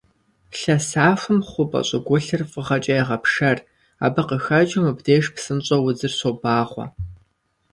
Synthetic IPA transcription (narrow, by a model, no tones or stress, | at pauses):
ɬɐsaːfʷʊmχʷʊpʼɐ̰ɕʼɪɡʷʊɬɨrfʼəʁɐt͡ʃʼɐjɛʁɐpʂɐr | a̰ːbɨqəxɐd͡ʒʼɪmɨbdeːʂpsɨnɕʼɐwʊzɨrsobaːʁʷɔ̰